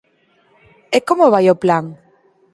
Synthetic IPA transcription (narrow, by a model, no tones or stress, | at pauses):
ekomoβ̞ajoplaŋ